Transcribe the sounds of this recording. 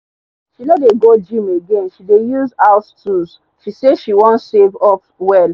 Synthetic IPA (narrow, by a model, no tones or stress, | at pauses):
ʃilɛt̚deɡod͡ʒĩmeɡẽnʃidejuzaʊstʰus | ʃiseʃiwɔ̃nsevɔp | wɛl